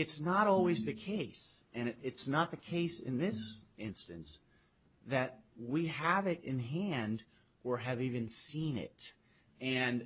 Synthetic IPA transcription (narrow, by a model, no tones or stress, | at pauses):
ɨtsnəɾɔlˠwizðɨkʰeɪsɨ̃nɪtsnət̪̚ðɨkʰeɪsɨ̰̃nðɪsɪ̃nstɨ̃ns | ðɨt̚wiəvɪɾɪ̃nɦæ̃nd | ə˞ɨvivɨ̃nsĩnɪ̰t̚ | ɨ̃n